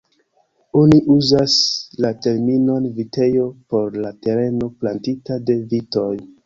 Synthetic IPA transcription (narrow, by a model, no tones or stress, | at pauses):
oniʔuzaslate̞ɾmino̞nvite̞jo̞po̞ɾlate̞ɾe̞no̞plantitade̞vito̞j